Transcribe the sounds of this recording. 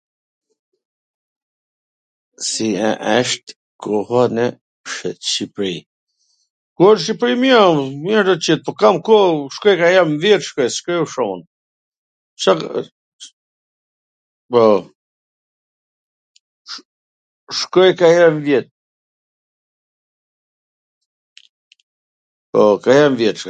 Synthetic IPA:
siɛ̰ʔɛʃt̪ | kɔhanɛ | ʃʃipɾi | kuəʃ̬ipɾimiammɛɾd̪ɔt͡ɕit̪̚pɔkamkɔʃkɔjkahɛɾmvjɛt̪ʃkɔjsʃkɔjuʃɔmən | t͡ʃa | pɔ | ʃkɔjkajɛmvjɛt̪̚ | pɔkajɛmvjɛt̪

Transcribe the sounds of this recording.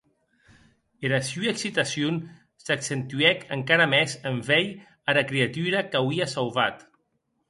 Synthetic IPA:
eɾasjuieksit̪asjun | saksent̪uɛkəŋkaɾamɛzəɱfɛj | aɾakɾeat̪uɾakawiasawβat̪

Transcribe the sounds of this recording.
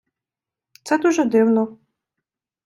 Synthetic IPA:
t̪sɛd̪uʒɛd̪ɪwnɔ

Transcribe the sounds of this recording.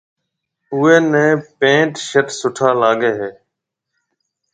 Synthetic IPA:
ʊːeːnẽːpẽːʈʃəʈsʊʈʰaːlaːɡeːɦeː

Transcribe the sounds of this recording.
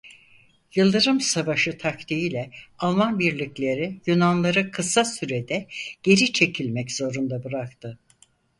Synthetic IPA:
jɯlˠd̪ɯɾɯmsavaʃɯt̪ʰak̚t̪ʰiilʲɛalˠmanbiɾlʲiclʲe̞ɾijynanlˠaɾɯkʰɯsasyɾed̪ɛɟ̥e̞ɾit͡ʃʰe̞cʰilʲmɛcz̥o̞ɾund̪abɯɾak̚t̪ʰɯ

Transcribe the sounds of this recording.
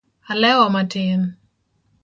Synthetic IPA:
alɛwɔmatɪn

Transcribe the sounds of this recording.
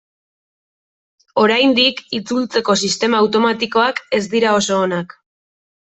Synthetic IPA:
o̞ɾajnd̪ikit͡sult͡se̞ko̞sist̪e̞maːwt̪o̞mat̪iko̞ake̞zd̪iɾao̞so̞ːnak

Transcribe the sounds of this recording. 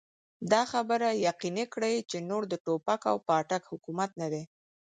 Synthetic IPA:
d̪ɑxabəɾajaqinekɽəjt͡ʃenoɽd̪əʈopaka̰wpɑʈakhʊkumat̪̚nad̪e

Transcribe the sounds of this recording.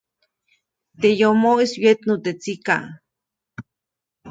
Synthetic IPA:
t̪ejomoiswjet̪not̪et͡sika̰ŋ

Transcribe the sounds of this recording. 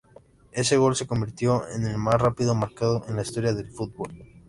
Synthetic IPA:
e̞se̞ɣ̞o̞lse̞ko̞mbiɾt̪jo̞ḛne̞lmasrapiðomaɾkað̞oʔe̞nlaist̪o̞ɾjaðe̞lfut̪̚βol

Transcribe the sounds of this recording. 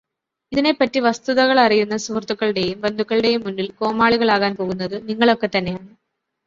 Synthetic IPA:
iðine̞pːɐtːiʋɐst̪uðɐɣɐɭɐrijunːɐsurt̪ːukːɐɭɽe̞jumbend̪ʱukːɐɭɨɽe̞jumːunːilko̞ːmaːɭiɣɐɭaːɣaːnpo̞ːɣun̪ːɐðɨniŋːɐɭo̞kːe̞t̪ːɐnːe̞jaːɳɨ

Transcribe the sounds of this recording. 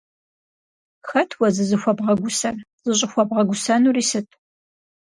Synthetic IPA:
xɐtʰwɐzɨzɨxʷɔbʁɐɡʷʊsɐr | z̥ɨɕ̬ʼɪxʷɔbʁɐɡʷʊsɐnuriːsɨtʰ

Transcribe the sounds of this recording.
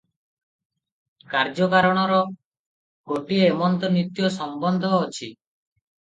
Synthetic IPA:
kaɾd͡ʒɔkaɾɔɽ̃ɔɾɔ | ɡoʈieːmɔnt̪ɔnit̪jɔsɔmbɔnd̪ʱɔːt͡ʃʰi

